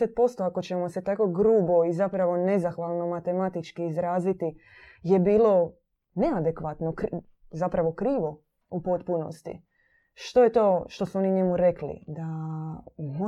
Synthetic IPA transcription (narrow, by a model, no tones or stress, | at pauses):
et̪̚po̞st̪o̞ako̞t͡ɕe̞mo̞set̪ako̞ɡɾuːbo̞izapɾaʋo̞ne̞zaxʋalˠno̞mat̪e̞mat̪it͡ʃkiizɾaːzit̪i | je̞biːlo̞ | ne̞ad̪e̞kʋat̪nokɾ | zapɾaʋo̞kɾiːʋo̞ | upo̞t̪puno̞̰st̪ḭ | ʃt̪o̞jet̪o̞ːʃt̪o̞suo̞niɲe̞muɾeklḭd̪a | mo